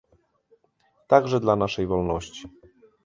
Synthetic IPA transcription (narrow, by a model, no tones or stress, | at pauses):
t̪aɡʐɛd̪lanaʂɛjvɔlnɔɕt͡ɕi̥